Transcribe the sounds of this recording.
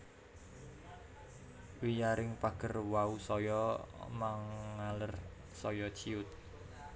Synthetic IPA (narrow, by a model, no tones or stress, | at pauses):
wijaɾɪŋpaɡ̥ərwausɔjɔmaŋːalər | sɔjɔt͡ʃiʊt̪̚